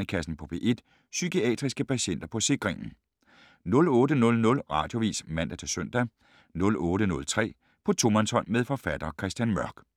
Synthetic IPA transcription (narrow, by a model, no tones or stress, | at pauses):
əkʰæsn̩pʰɒ̽pʰe̝̰ːʔe̝d̥ | sykʰiɛ̰ːd̥ʁisɡ̥əpʰæɕen̰d̥ɐpʰɒ̽se̝ɡ̥ʁeŋ̰n̩ | nɔ̽lɔ̽ːdənɔ̽lnɔ̽lʁɑ̰̈ːd̥jo̝ʋḭːsmæn̰d̥æt͡sʰe̝søn̰d̥æ | nɔ̽lɔ̽ːɾənɔ̽lt͡sʰʁɛ̰ː | pʰɒ̽t͡sʰo̝mænsɒ̽n̰meðˠfɒ̽fæd̥ɐkʰʁɛsd̥jænmɶɐɡ̥